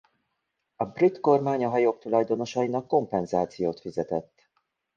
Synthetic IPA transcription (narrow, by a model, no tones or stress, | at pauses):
ɒbrit̪ko̞rmaːɲɒɦɒjok̚t̪ulɒjd̪o̞no̞ʃɒinɒkːo̞mpɛnzaːt̪sijoːt̪fizɛt̪ɛt̪ː